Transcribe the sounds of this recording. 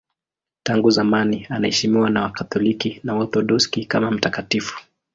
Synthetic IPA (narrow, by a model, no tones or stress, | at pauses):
taŋɡuzamanianahɛʃimiwanawakatɔlikinaɔθɔɗɔskikamam̩takatifu̥